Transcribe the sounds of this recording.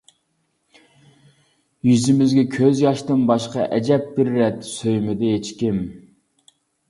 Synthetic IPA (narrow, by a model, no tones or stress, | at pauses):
jyzɪmɪzɡʲɛkʲʰøzjɑʃt̪ɨnbɑʃqɑʔɛd͡ʒɛp̚bɪɾːɛt̪ʰːsøjmɪd̪ɛjet͡ʃkʲɪm